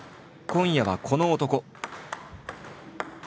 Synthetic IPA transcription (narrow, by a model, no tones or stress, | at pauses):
kõ̞ɰ̃jaβakʰo̞noːt̪o̞ko̞